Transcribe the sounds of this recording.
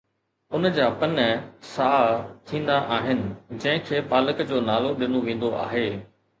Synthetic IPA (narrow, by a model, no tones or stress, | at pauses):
ʊnd͡ʑaːpɐnsaːt̪ʰĩːn̆d̪aʔaːɦɪnɪ̆d͡ʑɐ̃ɦɪ̃kʰeːpaːləkd͡ʑoːnaːloɗɪnoʋẽːn̆d̪oʔa̰ːɦeː